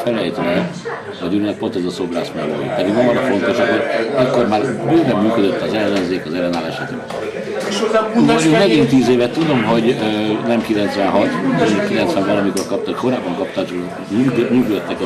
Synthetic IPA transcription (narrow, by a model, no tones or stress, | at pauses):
fɛlɛjt̪nɛ | ɒd̪yːlnɛk̚po̞nt̪ɛzɒso̞bra̰ːsmɛlo̰ːjḭpɛd̪iɡɒnɒːɾɒfo̞nt̪o̞ʃɒkːoɾɛkːo̞rmaːɾbyːlɛmmyːkød̪øt̪ːɒzɛlːɛnzeːkɒzɛlːɛnaːlɛʃɛt̪ḛb | ʃmoukmɛɡint̪iːzeːvɛt̪ːud̪o̞mɦo̞ɟønɛmkilɛnt̪sʋɛnɦɒt̪onokilɛnt̪sʋɛmbɛlɒmiko̞rkɒp̚t̪ɑkko̞ɾaːbːɒŋkɒpt̪aːt͡ʃko | ykmyːkløt̪ːɛk